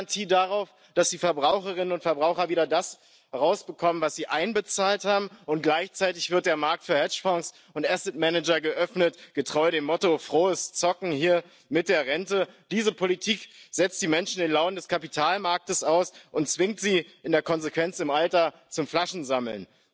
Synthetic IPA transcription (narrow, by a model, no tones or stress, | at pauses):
ntʰiːdaʁaʊf | d̥asd̥iːfɛɐbʁaʊxəʁɪnənʊntfɛɐbʁaʊxɐviːɾɐdas | ʁaʊsb̥əkʰɔmənvasz̥iːʔaɪnbət͡saːlthaːbm̩ʊnt̚ɡ̥laɪçt͡saɪtɪçv̥ɪɐt̚d̥eːɐmaɐk̚tfyːɐhɛt͡ʃfɔŋs | ʊntʔasɪt̚mɛnɛd͡ʒɐɡəʔœfnətɡ̥ətʁ̥ɔʏəɾeːmɔtofʁ̥oːəst͡sɔkŋ̩hiːɐ | mɪt̚d̥eːɐʁɛntəd̥iːzəpʰolitʰiːkz̥ɛt͡st̚d̥iːmɛnʃn̩dɪnlaʊnəndɛskʰapitʰaːlmaɐk̚təsaʊsʔʊntt͡sv̥ɪŋtz̥iːɪndeːɐkʰɔnzekv̥ɛnt͡sɪmʔaltɐ | t͡sʊmflaʃn̩zaml̩n